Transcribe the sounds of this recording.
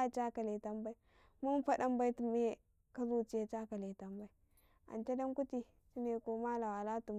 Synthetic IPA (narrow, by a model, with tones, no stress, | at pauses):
t͡ʃa˦ka˨le˨ta˦mba˦i˦ | mu˦m˦fa˦da˦mba˦i˦tu˨me˦ | ka˦zu˦t͡ʃi˦ja˨t͡ʃa˦ka˨le˨ta˨mba˦i˦ | a̰˨nt͡ʃa˦da˦ŋku˦ti˦ | t͡ʃi˦ne˨ko˨ma˦la˨wa˨la˦tu˨m